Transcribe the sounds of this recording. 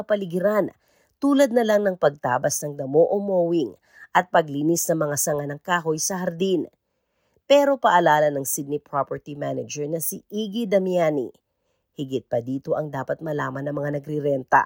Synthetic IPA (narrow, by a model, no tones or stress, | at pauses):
ɐpɐlɪɡɪɾan | t̪uːlɐd̪̚nɐlaŋnɐŋpɐɡ̚t̪aːbɐsnɐŋd̪ɐmo̞ʔomoːwɪŋ | ʔɐt̪̚pɐɡlinisnɐmɐŋasɐŋanɐŋkaːɦo̞jsɐhɐɾd̪in | pɛːɾo̞pɐʔɐlaːlɐnɐŋsid̪̚nipɹopɛɹt̪imanɛd͡ʒɛɹnɐsiʔiːɡid̪ɐmjaːnḭ | hɪɡɪt̪̚pɐd̪iːt̪o̞ʔɐŋd̪aːpɐt̪̚mɐlaːmɐnːɐmɐŋanɐɡɾɪɾɛnt̪ɐ̰